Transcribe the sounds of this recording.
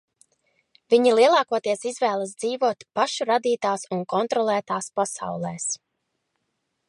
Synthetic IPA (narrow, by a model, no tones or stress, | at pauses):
viɲilˠiɛlˠaːkuɔt̪iɛsizvɛːlˠas̬d̪z̥iːvuɔt̪paʃuɾad̪iːt̪aːsunkɔnt̪ɾɔlˠæːt̪aːspasa̰wlˠɛːs